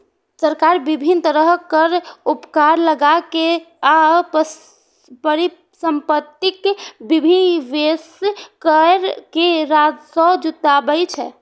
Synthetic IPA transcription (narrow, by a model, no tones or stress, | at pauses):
səɾkaɾbibʱint̪əɾəɦkəɾupkaɾləɡake | ap | pəɾi | səmpət̪ːikbibʱinʋeskəɾkeɾad͡ʒsɔ̃d͡ʒut̪abəjt͡ʃʰɛ